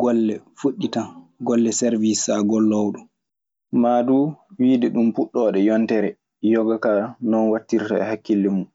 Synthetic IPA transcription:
ɡɔlːɛfuɗːitaɡɔlːɛsɛɾvisaɡɔlːɔwɗɔ | maduwiːdɛɗumpuɗːɔːɗɛjɔntɛɾɛ | jɔɡakanɔnwatːiɾtaɛhakːilːimun

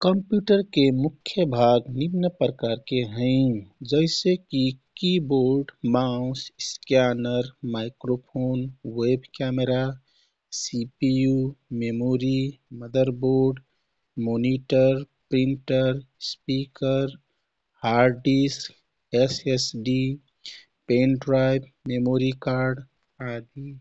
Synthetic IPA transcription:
kəmpjuʈəɾkemukʰjəbʱaɡnibnəpɾəkaɾkeɦə̃ɪ̃d͡ʒəɪsekikiboɾɖmaʊ̃sskjanəɾmaɪkɾopʰonwebʱkameɾa | sipijumemoːɾiməd̪əɾboːɾɖ | moːniʈəɾ | pɾĩɳʈəɾspikəɾ | haːɾɖisʈ | esesɖi | pẽːnɖɾaɪb | memoːɾikaːɾɖ | ad̪i

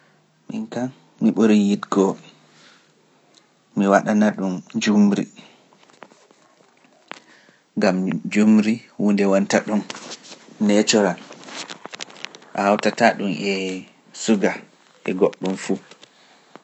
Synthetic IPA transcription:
mḭŋkan | miɓoɾijitɡɔ | miwaɗanaɗund͡ʒumɾḭ | ŋɡamd͡ʒumɾiwuːndɛwantaɗunː | ɛt͡ʃɔɾan | ʔahawtataɗumɛ | suɡa | ɛɡoɗːumfu

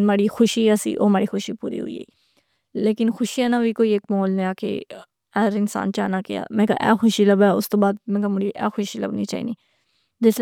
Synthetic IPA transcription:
maːɾiːxʰʊʃiːɛːsḭːʔo̰ːɦmaːɾiːxʊʃiːpṵːɾḭːɦʊ̰iːɦḛːiː | leːkɪnxʊʃiɛ̃ːnãʋiːkoːiːeːkmoːlnẽaːkḛː | ɛːɾɪnsa̰ːnt͡ʃaːnaːkɪa̰ːmɛ̃ːka̰ʔɛ̰ːxʊʃiːləbɛːʊst̪õːbaːd̪̚mɛ̃ːkamʊɾiːʔɛ̰ːxʊʃiːlə̰bnḭːt͡ʃa̰ːḭːniː | d͡ʒɪs

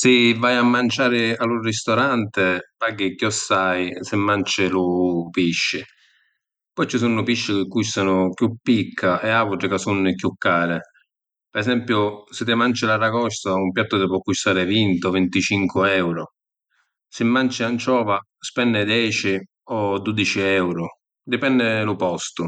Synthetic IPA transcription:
sɪvːajamːant͡ʃaːɾɪalʊrist̪ɔɾant̪ɪpaɡɪkjɔsːajsɪmːant͡ʃɪlʊpiʃːɪ | pɔjt͡ʃisunːʊpiʃːɪk̟ɪkːust̪anʊkjupːikʰːaʔɛavuʈɾɪkasunːɪkjukːaːɾɪ | pɛɾɛsɛmpjʊsɪt̪ːɪmant͡ʃɪlarakɔʃt̪aumpjat̪ːʊt̪ɪpwɔkːust̪aːɾɪvint̪ɔvɪnt̪it͡ʃiŋkʊɛwɾʊ | sɪmːant͡ʃɪant͡ʃɔːva | spɛnːɪd̪jɛːt͡ʃɪ | ɔd̪ud̪it͡ʃɪɛwɾʊ | d̪ɪpɛnːɪlʊpɔst̪ʊ

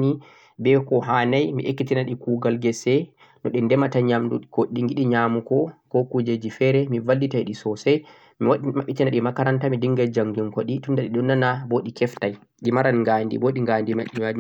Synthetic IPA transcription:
ni | bɛkɔɦanajmḭʔekːitinaɗikuɡalɡɛsɛ | nɔɗɛndɛmataɲamdukoɗiŋɡiɗiɲamukɔkokud͡ʒed͡ʒifɛɾɛmivalːitajɗisɔsɛj | mimaɓitinaɗimakaɾantamidiŋɡald͡ʒaŋɡuŋkoɗitundaɗiɗɔnːanaboɗikɛftaj | ɡimaɾanŋɡandḭboɗiŋɡandima̰ʔːimaɗ

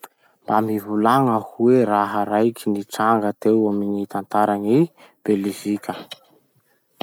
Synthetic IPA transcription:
mb̥amivulaŋəhueɾaɦəɾajkʰiniʈ͡ʂaŋɡət̪ewaminit̪ant̪aɾaŋi | b̥elivikʰʲə

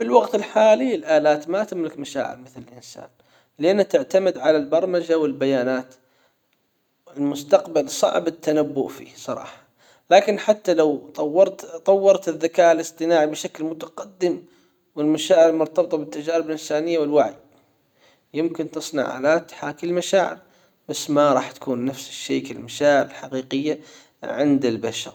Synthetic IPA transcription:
fɪlwɑɡt̪ɪlħaːliɪlʔaːlaːt̪mat̪ɪmlɪkmaʃa̰ːʕɪ̰lmɪθlɪlʔɪnsa̰ːn | lɪʔanːat̪ɪʕt̪amɪd̪ʕalalbɑɾˤmad͡ʒawɪlbajaːnaːt̪ | ɪlmʊst̪ɑqbalsˤɑ̰ʕbɪt̪ːanabːʊ̰ʔfḭːsˤɑ̰ɾˤɑ̰ːħɑ̥ | laːkɪnħat̪ːalawt̪ˤɑwːɑɾˤt̪t̪ˤɑwːɑɾˤt̪ɪðːakaːʔɪlɨsˤt̪ˤɨnaːʕibɪʃaklmʊt̪aqɑd̪ːɪm | wɪlmaʃaːʕɪɾmʊɾt̪ɑbt̪ˤɑbɪt̪ːad͡ʒaːɾɪbɪlʔɪnsaːnɪjːawɪlwaʕij | jɪmkɪnt̪ɨsˤnɑ̰ʕʕa̰lat̪ħaːkɪlmaʃaːʕɪ̰ɾ | b̥asːmaɾˤɑːħt̪ḁkuːnːafsɪ̥ʃːa̰ːkɪlmaʃaːʕɪɾɪlħaqiːqɪjːa | ʕɪnd̪ɪlbaʃɑ̰ɾˤ

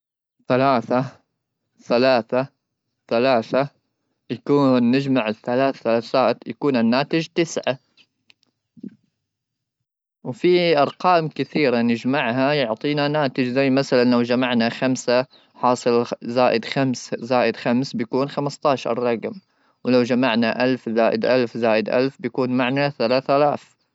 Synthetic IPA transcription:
θalaːθa | θalaːθa | θalaːθa | jakuːnːɪd͡ʒmaʕɪθːalaːθθalaːθaːt̪jakuːnanːaːt̪ɪd͡ʒt̪ɪsʕa | wfiʔɑɾˤqɑːmkɪθiːɾanɪd͡ʒmaʕhajʊʕt̪ˤiːnanaːt̪ɪd͡ʒzajːmaθalanlawd͡ʒamaʕnaxamsa | ħɑːsˤɨlzaːʔɪd̪xamszaːʔɪd̪xamsbjakuːnxamɪst̪ˤɑːʃˤrˤːɑqm | wlawd͡ʒamaʕnaʔalfzaːʔɪd̪ʔalfzaːʔɪd̪ʔa̰lfbjakuːnmaʕnaθalaːθalaːθ

